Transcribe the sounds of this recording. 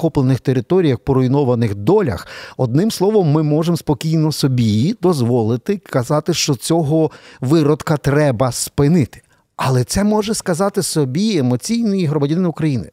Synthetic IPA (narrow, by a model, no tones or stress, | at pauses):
kɔplˠenɪxt̪eɾɪt̪ɔɾʲijɐxpɔɾɔjnɔʋɐnɪxd̪ɔlʲɐ̰xɔd̪̚nɪmslˠɔʋɔmːɪmɔʒemspɔkʲijnɔsɔbʲijd̪ɔzʋɔlˠɪt̪ɪkɐzɑt̪ɪʃt͡ʃɔt͡sʲɔɦɔʋɪɾɔd̪kɐt̪ɾɛbɐspɪnɪt̪ɪ̥ | ɐlˠɛt̪sɛmɔʒɛskɐzɑt̪ɪsɔbʲiemɔt͡sʲijnɪjiɦɾɔmɐdʲnɪnʊkɾɐjinɪ̰